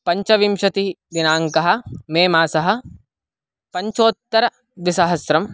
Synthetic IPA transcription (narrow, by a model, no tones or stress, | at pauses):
pɐɲt͡ʃɐʋimʃɐt̪i | d̪inaːŋkɐɦɐ̆meːmaːsɐɦɐ̆ | pɐɲt͡ʃoːt̪ːɐɾɐ | d̪isɐɦɐsɾɐm